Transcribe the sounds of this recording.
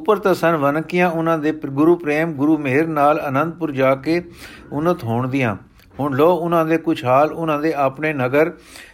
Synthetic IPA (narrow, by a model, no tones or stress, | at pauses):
ʊpəɾt̪ãːsənʋənkɪjãːʊnãːd̪eːɡʊɾuːpɾeːmɡʊɾuːmeɦɪɾnaːlənənd̪̚pʊɾd͡ʒaːkeː | ʊnət̪ɦoːɳd̪ɪjã̰ː | ɦʊɳlɔːʊnãːd̪eːkʊt͡ʃʰɦaːlʊnãːd̪eːʔaːpneːnəɡəɾ